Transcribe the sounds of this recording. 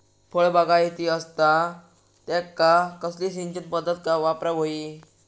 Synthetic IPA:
fʰəɭbaɡajet̪iəst̪a | t̪ɛkːakəsliːsiɲt͡ɕənpəd̪ːət̪̚kaʋapɾaɦoi

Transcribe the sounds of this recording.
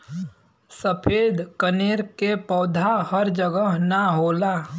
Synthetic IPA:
səpʰeːd̪kəneːɾkepɔːd̪ʱahəɾd͡ʒəɡəɦnaɦoːlaː

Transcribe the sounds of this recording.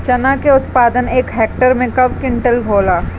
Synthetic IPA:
t͡ʃɐnakeʊt̪paːd̪əneːkɦɛːk̚ʈəɾmẽkɐbkɪ̃ɳʈəlɡʱoːlaː

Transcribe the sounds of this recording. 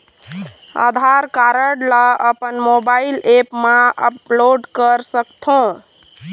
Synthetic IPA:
a̰d̪ʱaɾkaɾəɽləəpənmobailepmãə̰ploɖkəɾsəkt̪ʰõ

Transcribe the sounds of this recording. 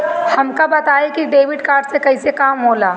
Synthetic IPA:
hɐmkabɐt̪aːekiɖeːʋɪɖkaːɾɖsekɐɪsekaːmɦoːlaː

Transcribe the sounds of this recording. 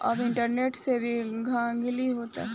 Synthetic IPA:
ɐbɪ̃ɳʈəɾneːʈsebʱiɡʱãːɡɪliɦoːt̪a̰ɦɛ

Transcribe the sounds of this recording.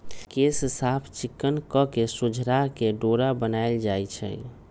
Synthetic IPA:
kessapʰt͡ʃikːənkɔkesud͡ʒʱɾakeɖoɾabənajld͡ʒajt͡ʃʰɛ̰

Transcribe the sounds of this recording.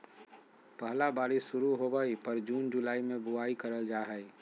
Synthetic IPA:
pəɦlabaːɾɪʃsʊɾuɦobəipəɾd͡ʒuːnd͡ʒʊlaːimẽbʊaːikəɾəld͡ʒaːɦɛi

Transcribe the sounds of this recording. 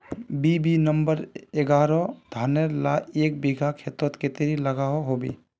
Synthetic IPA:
bibinəmbəɾeɡaːɾɔd̪ʱaːnelaeːk̚biɡʱakʰeːt̪ɔt̪ket̪eɾiləɡaɦɔɦobḛ

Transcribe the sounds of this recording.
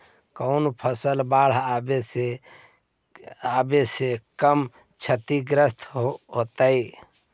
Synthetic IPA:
kəʊnpʰəsəlbaɽ̤abese | abesekəm | t͡ʃʰət̪iɡɾəst̪ʰɦot̪əi

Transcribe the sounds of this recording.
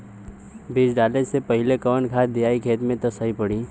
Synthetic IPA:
bid͡ʒɖaːled͡ʒsepɐɦɪlekɔːnkʰaːt̪d̪ijaːikʰeːt̪mẽt̪osəɦipəɽiː

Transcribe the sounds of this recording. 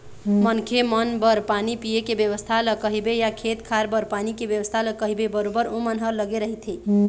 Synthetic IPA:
mənkʰemənbəɾpanipijekebjəʋəst̪ʰaləkəɦibejakʰet̪kʰaɾbəɾpanikebjəʋəst̪ʰaləkəɦibebəɾobəɾomənɦəɾləɡeɾəɦit̪ʰi

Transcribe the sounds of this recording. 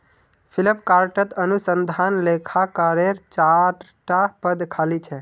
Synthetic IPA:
pʰiləpkaɾʈət̪ənusənd̪ʱanlekʰakəɾeɾt͡ʃaɾ | ʈapəd̪kʰalit͡ʃʰɛ

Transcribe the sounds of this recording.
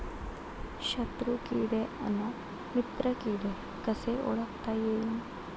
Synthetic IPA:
ɕət̪ɾukiɽeəna | mit̪ɾəkiɽe | kəseʔo̰ɭəkt̪ajein

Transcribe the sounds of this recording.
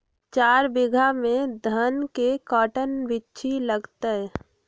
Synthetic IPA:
t͡ʃaːɾbɪɡʱamẽd̪ʱənkekɔːʈənʋɪtːʃʰiləɡt̪eɦ

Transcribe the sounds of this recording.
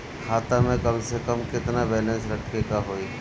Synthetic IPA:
kʰaːt̪amẽkɐmsekəmkɪt̪nabɛːlɛ̃nsɾɐʈʰkekaɦoːi

